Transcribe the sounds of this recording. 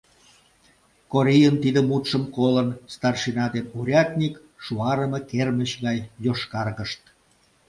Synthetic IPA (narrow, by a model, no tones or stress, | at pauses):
koɾʲijənt̪id̪əmut̪ʃəmkolənst̪ɑrʃinɑd̪enuɾʲɑt̪ʲnʲik | ʃuɑɾəməkerməɕɣɑjjoʃkɑrɣəʃt̪̚